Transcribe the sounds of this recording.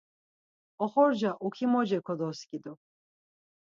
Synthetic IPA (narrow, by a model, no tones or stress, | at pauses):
ɔχɔɾd͡ʒaʔukʰimɔd͡ʒɛkʰɔd̪ɔskʼid̪ɔ